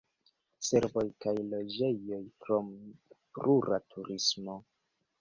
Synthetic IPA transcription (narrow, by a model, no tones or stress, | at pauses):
se̞ɾvo̞jkajlo̞d͡ʒe̞jo̞jkɾo̞mpɾuɾatʰuɾismo̞